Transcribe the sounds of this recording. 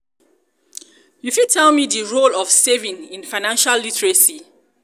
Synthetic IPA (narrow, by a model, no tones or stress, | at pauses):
jufitʰɛlmidəɹolɔfsevĩnĩnfaɪnãnʃalːitɛɹəsi